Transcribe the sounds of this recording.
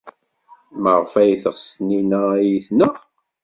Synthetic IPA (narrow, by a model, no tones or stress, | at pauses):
məʁfæjθəʁsninæjiθnə